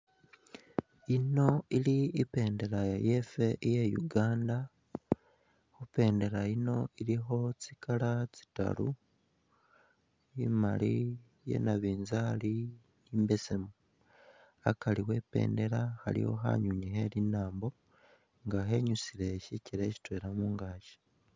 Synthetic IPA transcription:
ino̞iɾiːpe̞ːnde̞ɾajefe̞ʔijejṵɡaːnda | xupe̞ːnde̞ɾaino̞iɾiɦo̞t͡sikʰalat͡si̥ta̰ɾu | ima̰ɾi | jḛnaβiːnzaɾi | imbe̞se̞mu | akaɾiwe̞ːpe̞̰ːnde̞ɾahaɾḭho̞̰ɦa̰ɲuɲiɦeɾinaːmbo̞ | ŋɡaɦe̞ɲusiɾeʃiciɾeci̥tweːɾamuːŋɡaːʃe̥

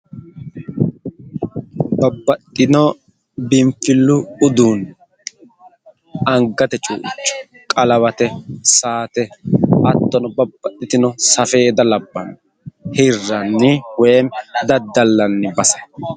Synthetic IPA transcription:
bɐbːɐt̪ʼːɪnɔ | bɪmfɪlːʊʊd̪uːn | ɐŋɡɐt̪ɛt͡ʃʼṵːʔɪ̰t͡ʃʼːʊ̥ | kʼɐlɐβɐt̪ɛsaːt̪ɛɐt̪ːɔnɔbɐbːɐt̪ːɪt̪ɪnɔsɐfe̞ːd̪ɐlɐbːɐn | hɪrːɐnːɪwɛmd̪ɐd̪ːɐlːɐnːɪbɐsɐ

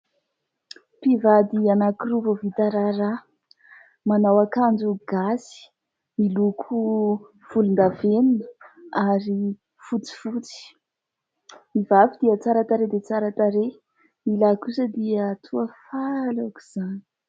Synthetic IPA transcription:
pivad̪ianakiruvovit̪aɾaɾa | manawakand͡ʒuɡ̥asi̥ | milukʰu | v̥ulund̪avenunəaɾi | fut͡si̥fut͡si̥ | mivavid̪iət͡saɾat̪aɾed̪et͡saɾat̪aɾe | milakusəd̪iət̪ʰuəfalaku̥z̥ani̥

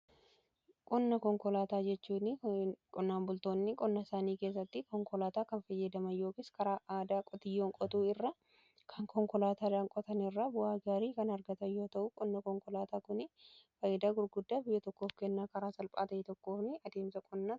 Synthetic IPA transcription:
kʼɔnːɐkɔŋkɔlaːt̪aːd͡ʒɛt͡ʃːuːnɪkʼɔnːaːmbʊlt̪o̞ːnːɪkʼɔnːɐsaːniːke̞ːs̬ːɐt̪ːɪkɔŋkɔlaːt̪aːkɐnfɐjːɐd̪ɐmɐnjo̞ːkɪskɐɾaːʔaːd̪aːkʼɔt̪ɪjːoːŋkʼɔt̪uːɪrːɐ | kʰɐŋkʰɔŋkɔlaːt̪aːd̪aːŋkʼɔt̪ɐnɪrːɐbʊaːɡaːɾiːkɐnɐɾɡɐt̪ɐjo̞ːt̪ɐʔʊkʼɔnːɐkɔŋkɔlaːt̪aːkʊnɪfɐjɐd̪aːɡʊɾɡʊd̪ːaːbɪjːɐt̪ɔkːo̞ːfkɛnːaːkɐɾaːsɐlpʼa̰ːt̪ɐʔɛt̪ɔkːo̞ːfnɪɐd̪e̞ːmsɐkʼʊnːa

